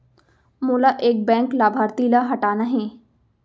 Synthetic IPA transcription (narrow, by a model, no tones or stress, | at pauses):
muːlaʔeːk̚bɛ̃ːŋklaːbʱaːɾt̪ilaɦɐʈaːnaɦẽː